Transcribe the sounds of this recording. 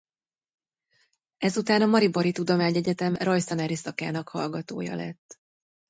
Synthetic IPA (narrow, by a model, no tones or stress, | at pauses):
ɛzut̪aːnɒmɒɾiboɾit̪ud̪o̞maːɲɛɟɛt̪ɛmrojsɒnɛɾisɒkaːnɒkhɒlɡɒt̪o̰ːjɒ̰lɛ̰t̪ː